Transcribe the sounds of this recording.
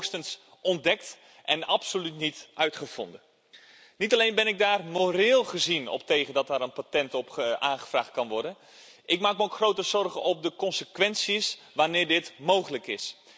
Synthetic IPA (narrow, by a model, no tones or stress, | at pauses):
stəns | ʔɔndɛkt | ʔɛnɑpsolytnitʔœɥtχəv̥ɔ̰ndən | nitɑlejnbɛnɪɡ̚daːrmoɾɪːlˠχəzinɔ̰p̚tejχəndɑtaːɾənpatɛntɔpəaːχə̥v̥ra̰ːχt̚kɑnʋɔɹdən | ʔɪkmaːk̚məowkχrowtəzɔrχənɔp̚dəkɔnsəkʋɛnsisʋaːnɪːɹdɪtmowχələkɪs